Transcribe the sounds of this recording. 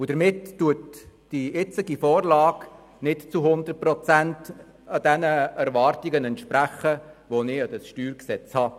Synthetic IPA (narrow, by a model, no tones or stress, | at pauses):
ʊd̥əɾmɪtːuətd̥iɪt͡sɪɡifɔːɾlɑːk | nɪtt͡suɦʊnd̪ət̚pɾɔt͡sænt | ɑd̥̪ɛnəæɾʋɑːɾtiɡənɛntʃpɾæχəʋonɪɑd̥əsʃtyːɾksɛt͡shɑː